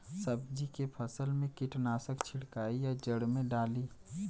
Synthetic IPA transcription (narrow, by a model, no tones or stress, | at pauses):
səbd͡ʒikepʰəsəlmẽkiʈnaːsəkt͡ʃʰɪɽkaːijad͡ʒəɽmẽɖaːliː